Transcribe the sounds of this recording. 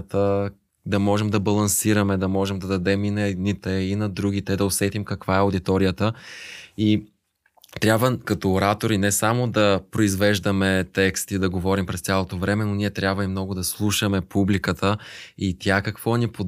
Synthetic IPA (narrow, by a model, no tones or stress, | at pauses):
t̪ə | d̪ɐmɔʒɛmd̪ɐbɐlˠɐnsiɾɐmɛd̪ɐmɔʒɛmd̪ɐd̪ɐd̪ɛminɐɛd̪nit̪ɛinɐd̪ɾuɡ̟it̪ɛd̪ɐosɛt̪imkɐkv̥aɛod̪it̪ɔɾijət̪ə | i | t̪ɾʲabvəkɐt̪ɔːɾat̪oɾinɛsamod̪ɐpɾoizvɛʒd̪ɐmɛt̪ɛkst̪id̪ɐɡovɔɾimpɾɛst̪ʲjalˠot̪ovɾɛmɛnoniɛt̪ɾʲabvəimnɔɡʊd̪ɐslˠuʃəmɛpʰublikət̪ʰəit̪ʲjakɐkv̥ɔnipo